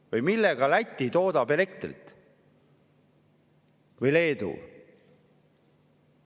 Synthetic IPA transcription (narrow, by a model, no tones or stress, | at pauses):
vɯjmilːeɡ̥ɑlæt̪ʲːˑit̪o̞ːd̪ɑpele̞k̚t̪rḭt̪ | vɯjle̞ːd̪̥ṵ